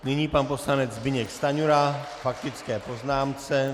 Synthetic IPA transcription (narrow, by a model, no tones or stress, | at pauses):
nɪɲiːpanpo̞slanɛd͡zzbɪɲɛkst̪aɲuɾa | fak̚t̪ɪt͡skɛːpo̞znaːmt͡sɛ